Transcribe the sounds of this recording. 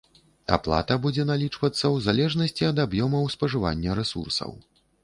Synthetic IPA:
a̰plˠa̰t̪ɐbud͡zʲɛnalʲit͡ʂvɐt̪sːɐwzalʲɛʐnɐsʲt͡sʲiɐd̪abjɔmɐwspɐʐɨva̰nʲːɐɾɛsṵrsɐ̰w

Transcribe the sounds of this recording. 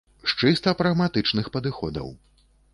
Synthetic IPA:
ʂt͡ʂɨst̪ɐpɾɐɣmat̪ɨt͡ʂnɨxpɐd̪ɨxɔ̰d̪ɐ̰w

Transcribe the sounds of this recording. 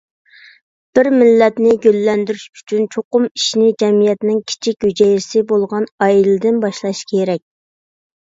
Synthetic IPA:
b̥ɪɾmɪlːɛt̪nɪɡʲølːɛnd̪yɾyʃy̥t͡ʃʰynt͡ʃʰoqʊmiʃnɪd͡ʒɛmijɛt̪nɪŋkʲʰi̥t͡ʃʰik̚ʲhyd͡ʒɛjɾɪsɪbolˠʁɑnɑjilɪd̪ɪnbɑʃlˠɑʃkʲʰeɾɛk̚ʲ

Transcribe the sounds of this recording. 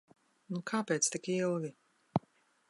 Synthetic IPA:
nukʰaːpeːt̪st̪ikilˠvʲi

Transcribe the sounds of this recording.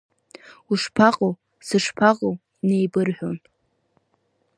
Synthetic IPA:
uʂpʰaqʼow | sɨʂpʰaqʼow | nejbɨrħʷᶣon

